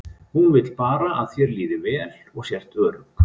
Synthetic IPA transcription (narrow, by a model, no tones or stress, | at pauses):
hunvɪt̪lpaːɾaʔaðθjɛɾliːðɪvɛːl | ɔɣsjɛr̥t̪œːɾʏk